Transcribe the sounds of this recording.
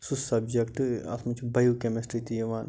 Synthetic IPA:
susɐbd͡ʒekʈɨɐ̰smɐt͡ʃʰbɐjukemesʈɾit̪ieʋaːn

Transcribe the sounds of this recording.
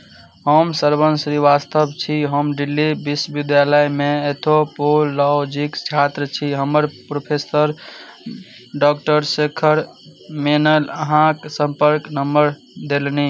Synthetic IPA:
ɦəmsəɾbənsɾiʋast̪əbt͡ʃʰiɦəmɖilːibiswəʋid̪jaləjmeet̪ʰopolːɔd͡ʒikt͡ʃʰat̪ɾət͡ʃʰiɦəməɾpɾopʰesəɾ | ɖɔk̚ʈəɾsekʰəɾ | menələɦãksəmpəɾknəmbəɾ | d̪elni

